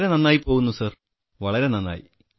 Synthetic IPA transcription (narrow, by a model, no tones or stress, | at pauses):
ɾenɐnːaːjipːoːɣunːusɐr | ʋɐɭɐɾe̞nɐnːa̰ːjḭ